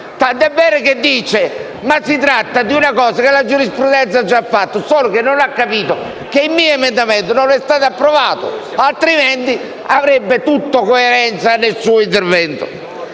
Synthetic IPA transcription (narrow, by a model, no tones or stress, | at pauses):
t̪ant̪ɛbːɛːɾoked̪ːiːt͡ʃe | masːit̪ɾat̪ːad̪iunakɔːzakelad͡ʒuɾispɾud̪ɛnt̪sad͡ʒːafːat̪ːosɔːlok̟enːonakːapiːt̪o | keimːiːoɛmend̪amɛnt̪ononɛst̪aːt̪apːɾɔvaːt̪o̰ | alt̪ɾiment̪i | avɾebːet̪ut̪ːokoɛɾɛnt̪sanːelsuːoint̪̬eɾvɛnt̪o̰